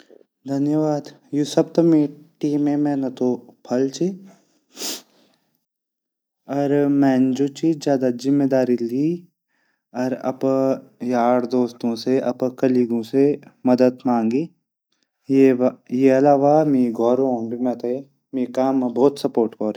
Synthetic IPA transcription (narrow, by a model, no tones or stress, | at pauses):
d̪ʱɐnjəʋaːd̪juːsɐb̚t̪omẽʈiːmẽmɛ̃ːnɐt̪opʰɐlt͡ʃi | ɔɾmɛ̃ːnd͡ʒot͡ʃid͡ʒjaːd̪azɪmːed̪aːɾili | ɐɾɐ̰pjaːɽd̪oːst̪õseʔɐpkɐliɡõsemɐd̪əd̪mãːŋɡiː | jejeɐlaːʋamiɡʱɔːɾõũbʱimɛ̃ːt̪ae | meːkaːmbɔːt̪sɐpoːɾʈkɔːɾ